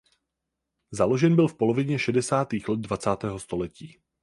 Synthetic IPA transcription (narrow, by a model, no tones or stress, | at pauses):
zalo̞ʒɛnbɪlfpo̞lo̞vɪɲɛʃɛdɛsaːt̪iːxlɛd̪̚dvat͡saːt̪ɛːɦo̞st̪o̞lɛciː